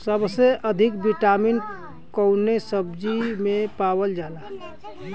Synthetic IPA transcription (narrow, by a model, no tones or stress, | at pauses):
səbseʔəd̪ʱɪkbiʈaːmin | kəʊnesəbd͡ʒimẽpawəld͡ʒaːla